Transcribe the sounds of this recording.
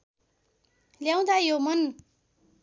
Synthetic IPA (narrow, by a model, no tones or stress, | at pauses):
ljaw̃d̪ajomʌn